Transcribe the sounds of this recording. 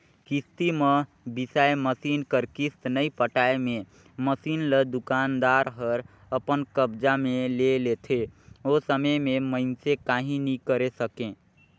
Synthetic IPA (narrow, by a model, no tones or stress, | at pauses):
kist̪imə | bisaːjeməsiːnkəɾkist̪nəipəʈaːemẽ | məsiːnləd̪ʊkaːnd̪aːɾɦəɾ | əpənkəbd͡ʒamẽlelet̪ʰeosəməjmẽməɪnsekaːɦĩnikəɾesəkẽ